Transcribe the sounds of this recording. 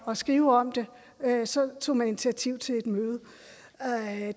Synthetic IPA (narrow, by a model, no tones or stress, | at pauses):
ɒ̽sɡ̥ʁiːʊɒ̽m̰d̥e̝ | sɒ̽t͡sʰo̝̰ːmæne̝nit͡sʰiæt͡sʰiʊ̰t͡sʰe̝le̝d̥møːð̞̩ˠ